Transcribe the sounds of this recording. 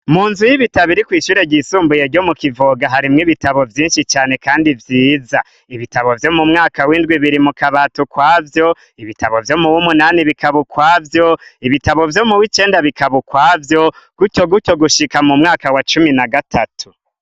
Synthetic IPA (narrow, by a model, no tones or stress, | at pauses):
muːnzujiβitaβiɾikwiːʃuːɾe̞ɟiːsuːmbuje̞ɾɟo̞mukivoɡaɦaɾimŋiβitaβo̞vjiːnʃit͡ʃaːne̞kaːndivjiːza | iβitaβo̞vjo̞mumŋaːkawindɡwiβiɾimukaβatukwaːvjo̞ | iβitaβo̞vjo̞muwumunaːniβikaβukwaːvjo̞iβitaβo̞vjo̞muwit͡ʃe̞ːndaβikaβukwaːvjo̞ɡ̥ucoɡuco̞ɡuʃikamumŋaːkawat͡ʃuminaɡatʰatʰu̥